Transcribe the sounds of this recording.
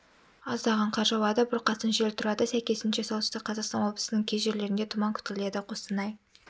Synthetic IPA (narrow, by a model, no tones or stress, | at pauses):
ɑzd̪ɑʁɑɴqʰɑɾʒɑwɑd̪ɑbʊɾqʰɑsənʒelt̪ʰʊɾɑd̪əsæjkʲe̞sɪnʃe̞sow̪ˠəst̪ɪqʰːɑzɑʁqst̪ɑnwo̞blˠəsənəŋkʲʰezʒe̞ɾle̞ɾɪnd̪et̪ʰʊmɑŋkʲʰʏ̥t̪kʲɪle̞d̪ɪqʰo̞st̪ənɑj